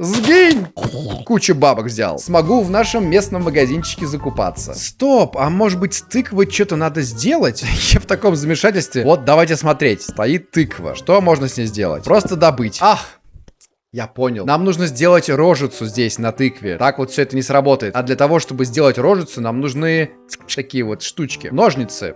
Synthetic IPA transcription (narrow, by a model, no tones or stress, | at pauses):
zɡʲinʲkut͡ɕʊbabəkvzʲa̰lˠsmɐɡuvnaʂɨmːʲe̞snəmːəɡɐzʲint͡ɕːɪ̥kʲɪzəkʊpa̰t̪sːə̰st̪opɐmo̞ʐɨbɨtʲst̪ɨkvɨt͡ɕot̪ənad̪əzʲdʲe̞lˠətʲjaft̪ɐko̞mzəmʲɪʂatʲɪlʲst̪vʲɪvo̞t̪̚d̪ɐvajt̬ʲɪsmɐt̪ɾʲetʲst̪ɐit̪ːɨkvə̰ʂt̪omo̞ʐnəsʲnʲezʲdʲe̞̰lˠə̰tʲpɾo̞st̪əd̪ɐbɨtʲax | japo̞nʲɪlˠnamnuʐnəzʲdʲe̞lˠətʲro̞ʐɨt̪sʊzʲdʲesʲnɐt̪ɨkvʲɪ̰t̪akvot̪fsʲɵɛt̪ənʲɪsrɐbo̞t̪əɪt̪ɐd̪lʲət̪ɐvo̞ʂt̪o̞bɨzʲdʲe̞lˠətʲɾo̞ʐɨt̪sʊnamnuʐnɨ | ɐkʲijəvo̞t̪ʂt̪ut͡ɕkʲɪ̰no̞ʐnʲɪt̪sɨ̰